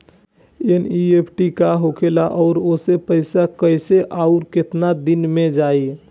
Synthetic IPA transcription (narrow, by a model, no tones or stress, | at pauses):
eniepʰʈikaɦokʰelaʔɔːɾosepəɪsakəɪseʔaʊɾket̪nad̪inmed͡ʒaːi